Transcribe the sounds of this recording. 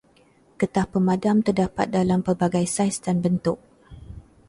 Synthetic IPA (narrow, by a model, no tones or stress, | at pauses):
kət̪ahpəmadamt̪ərdapa̰t̪̚dalampərbaɡajsajsdanbənt̪ʊk̚